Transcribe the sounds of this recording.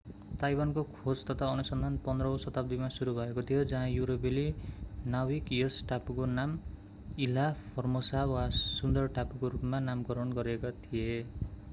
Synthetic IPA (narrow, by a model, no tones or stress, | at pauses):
t̪ajwankokʰod͡zt̪ʌt̪ʰaʌnusʌnd̪ʱanpʌnd̪rʌosʌt̪ap̚d̪imasuɾubʱʌekot̪ʰijod͡zʌɦãjuɾobilinawikjʌsʈapkonam | ilapʰʌrmosawasund̪ʌrʈapkoɾupmanamkʌɾʌnɡʌɾekot̪ʰije